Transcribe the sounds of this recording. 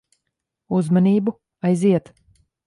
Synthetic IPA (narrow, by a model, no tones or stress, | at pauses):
uzmaniːbu | ajziɛt̪